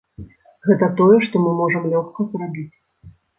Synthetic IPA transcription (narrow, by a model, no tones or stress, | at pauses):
ɣɛt̪ɐt̪ɔjɛʂt̪ɔmɨmɔʐɐmlʲɔxkɐpɾabʲit͡sʲ